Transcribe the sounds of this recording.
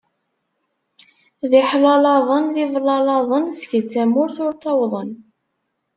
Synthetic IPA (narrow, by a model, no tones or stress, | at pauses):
ðɪħlɑlɑðˤənðɪvlɑlɑðˤənsəçəðθæmʊɾθʊɾt̪ˤːɑwðˤən